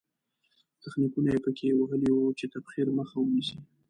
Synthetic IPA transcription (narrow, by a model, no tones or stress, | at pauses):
t̪axnikunajepəkʰewaɣəliwut͡ʃet̪afxiɾməxawənisi